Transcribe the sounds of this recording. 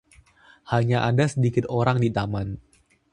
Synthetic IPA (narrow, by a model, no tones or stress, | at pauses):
haɲaʔadasədikɪt̪oɾaŋdit̪aman